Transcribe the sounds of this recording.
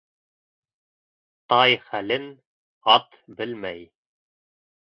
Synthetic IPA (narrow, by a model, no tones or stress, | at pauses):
t̪ɑjχælɘn | ɑt̪bɘlmæj